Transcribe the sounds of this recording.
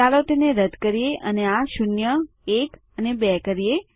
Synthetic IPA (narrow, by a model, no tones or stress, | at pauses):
alot̪eneɾəd̪kəɾieʔəneaʃʊnjə | ek | ənebɛkəɾije